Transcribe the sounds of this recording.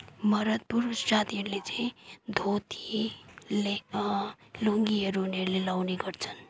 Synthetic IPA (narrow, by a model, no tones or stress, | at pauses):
mʌɾət̪̚puɾusd͡ʒat̪iʌɾlet͡seĩd̪ʱot̪i̥le | loŋɡiʌɾuneɾlelawneɡʌɾt͡sʰə̥n